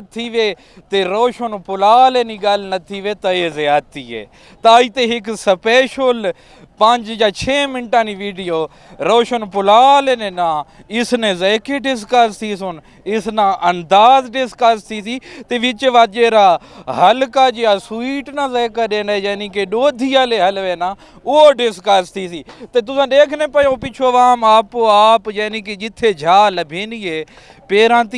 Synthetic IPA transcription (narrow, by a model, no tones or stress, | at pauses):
t̪ʰːiːʋeː | t̪eːɾoːʃənpʊlaːleːnĩːɡəlnət̪ʰiːʋeːt̪əeːzeːaːt̪iːɦḛː | t̪aːiːt̪eːɦɪksəpeːʃol | pəɲd͡ʒd͡ʒaːt͡ʃʰeːmɪnʈãːniːʋiːɖijoː | ɾoːʃənpʊlaːleːnẽːnãː | ɪsnẽːzɛːkeɖɪskəst̪iːsʊn | ɪsnãːʔənd̪aːzɖɪskəst̪ʰiːsiːt̪eːʋɪt͡ʃʋaːd͡ʒeːɾaːɦəlkaːd͡ʒejaːsʊiːʈnãːzɛːkaːɗẽːnd̪aːd͡ʒɛːnĩːkeɗoːd̪ʱiːaːleːɦəlʋeːnaː | ʊoɖɪskəst̪ʰiːsiːt̪eːt̪ʊsãːɗ̪eːkʰnẽːpəjõːpɪt͡ʃʰoːʋaːmaːpoːaːpd͡ʒɛːniːk̬ed͡ʒɪt̪ʰːeːd͡ʒʱaːləbʱeːniːeː | peːɾãːt̪i